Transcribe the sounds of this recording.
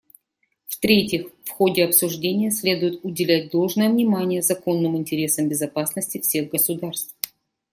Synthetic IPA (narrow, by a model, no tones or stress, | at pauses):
ft̪ɾʲetʲɪxfxo̞dʲɪɐpsʊʐdʲenʲɪjəsʲlʲe̞d̪ʊjɪt̪ʊdʲɪlʲæt̚ʲd̪o̞lˠʐnəjəvnʲɪmanʲɪjəzɐko̞nːɨmɪnʲtʲɪɾʲe̞səmbʲɪzɐpasnəsʲtʲɪfsʲe̞ɣɡəsʊd̪arst̪f